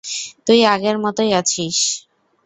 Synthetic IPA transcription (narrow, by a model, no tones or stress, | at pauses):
t̪ujaɡeɾmɔt̪ojat͡ɕʰiʃ